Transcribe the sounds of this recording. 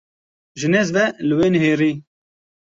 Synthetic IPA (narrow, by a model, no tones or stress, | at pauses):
ʒɨnɛzvɛlɨweːnɦeːɾiː